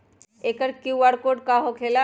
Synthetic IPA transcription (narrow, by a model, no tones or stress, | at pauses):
eːkəɾkuʋaːɽkoːɖ̚kaɦokʰeːla